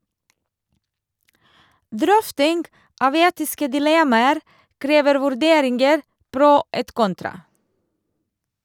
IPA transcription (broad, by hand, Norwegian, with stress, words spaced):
ˈdɾœftɪŋɡ ˈʔɑːʋ ˈeːtɪskə dɪˈlɛmɑəɾ ˈkɾeːʋəɾ ʋʉɾˈdeːɾɪŋɡəɾ ˈpɾʊ ˈeːt ˈkɔntɾɑ